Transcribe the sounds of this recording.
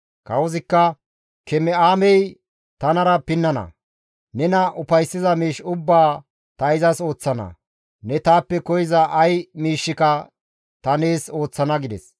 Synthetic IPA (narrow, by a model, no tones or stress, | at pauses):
kɐwɔzɪkːɐ | kɛmɛaːmɛj | t̪ɐnɐɾɐpɪnːɐnɐ̰ | nɛnɐʔʊpɐjsːɪzɐmiːʃʊbːaː | t̪ɐɪzɐso̞ːt͡sːɐnɐ̰ | nɛt̪aːpːɛkɔjɪzɐʔɐjmiːʃːɪkɐ | t̪ɐneːso̞ːt͡sːɐnɐɡɪd̪ɛs